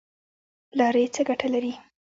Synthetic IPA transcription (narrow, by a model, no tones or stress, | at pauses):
lɑɾejt͡səɡaʈʰalaɾi